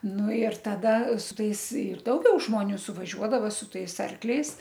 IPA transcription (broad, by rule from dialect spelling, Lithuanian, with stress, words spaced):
ˈnʊ ɪr tɐˈdɐ sʊ ˈtɐɪs ɪr dɐʊˈɡʲɛʊ ʒmoːˈnʲuː sʊʋɐˈʒʲuɔdɐʋɐ sʊ ˈtɐɪs ˈɐrklʲɛɪs